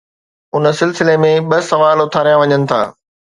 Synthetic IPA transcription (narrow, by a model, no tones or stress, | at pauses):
ʊnə̆sɪlsɪlemẽɓɐsɐʋaːlʊt̪ʰaːɾijãʋɐɲənɪ̆t̪ʰa̰ː